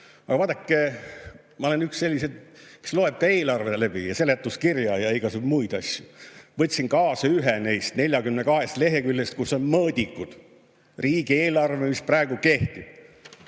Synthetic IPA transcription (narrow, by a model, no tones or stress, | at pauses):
ɑ̰ɡɑvɑːt̪ːˑɑkˑːe | mɑolenyksse̞lʲːised̪mi̥slo̞e̞b̥̚kɑe̞ːlɑrvelæb̥ḭjɑse̞let̪ːuskirjɑjɑeɡ̥ɑsubmujd̪̥ɑsʲjuvɤt̪ʲːsinkɑːsɑyɦenejst̪ne̞lʲjɑkymnekɑɦe̞st̪le̞ɦekylʲːest̪̚kusːo̞nmɤːd̪ʲikːud̪̥ | riːɡie̞ːlɑrvemisprɑeɡuke̞ht̪ib̥̚